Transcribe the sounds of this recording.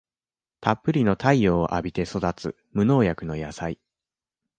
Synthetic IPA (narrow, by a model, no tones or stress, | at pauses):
t̪apːɯ̟ɾʲino̞t̪ʰaioːʔabʲit̪e̞so̞d̪at͡sɨ̰ | mɯ̟no̞ːjakɯ̟no̞jasai